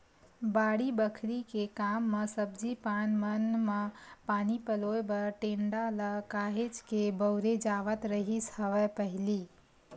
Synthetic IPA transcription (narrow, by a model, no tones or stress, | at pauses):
baɽibəkʰɾikekamːesəbd͡ʒipanmənmepanipəloebəɾʈeɳɖaləkaɦed͡ʒkebəʊɾed͡ʒaʋət̪ɾəɦishəʋɛpəɦili